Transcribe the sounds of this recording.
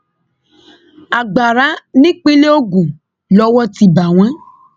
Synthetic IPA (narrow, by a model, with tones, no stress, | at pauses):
a˨ɡ͡ba˨ɾa˨˦nĩ˦k͡pe˦le˦o˦ɡũ˨ | lɔ˧˦wɔ˦ti˦ba˨w̃ã˨˦